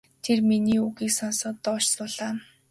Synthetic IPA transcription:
t̪ʰerminiːuɣiːksɔnsɔ̆ːt̪ːɔːt͡ɕsʊːɮaː

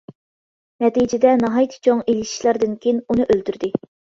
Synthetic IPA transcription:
nɛt̪ijd͡ʒɪd̪ɛnɑɦɑjt̪ʰɪ̥t͡ʃʰoŋelɪʃi̥ʃlˠɑɾd̪ɨnkʲʰejinunɨʔølt̪yɾd̪ɪ

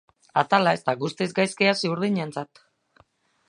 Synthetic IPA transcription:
at̪alae̞st̪aɣust̪izɡajskeasiuɾð̞iɲent͡sat̪

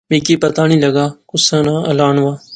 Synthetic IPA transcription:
mẽːkeːpɐt̪aːnĩːlɐɡaːkʊsãːnãːɐ̰laːnʋaː

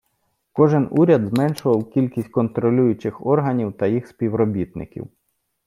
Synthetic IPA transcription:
kɔʒɪnuɾʲɐd̪zmɛnʃʊʋɐwkʲilʲkʲisʲt̚ʲkɔnt̪ɾɔlʲujʊt͡ʃɪxɔrɦɐnʲiwt̪ɐjixspʲiwɾɔbʲit̪nɪ̰kʲḭw

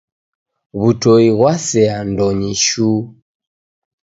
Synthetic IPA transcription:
βutɔiɣwasɛandɔɲiʃu

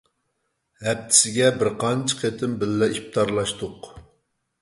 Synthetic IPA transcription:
hɛp̚t̪ʰɪ̥sɪɡʲɛbɪɾqʰɑnt͡ʃʰɪ̥qʰet̪ʰɪmbɪlːɛip̚t̪ʰɑɾlˠɑʃt̪ʊq

